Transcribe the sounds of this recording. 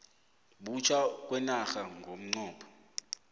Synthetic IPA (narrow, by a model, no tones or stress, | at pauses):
ɓut͡ʃʰak̬ʼwɛnaxaŋɡʱom̩ŋ͡ǀɔːpʰɔ̥